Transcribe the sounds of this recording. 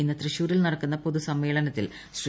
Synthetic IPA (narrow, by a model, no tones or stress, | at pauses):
inːɨt̪rɨɕuːɾilnɐɽɐkːunːɐpo̞ðusɐmːeːɭɐnɐt̪ːil | ɕr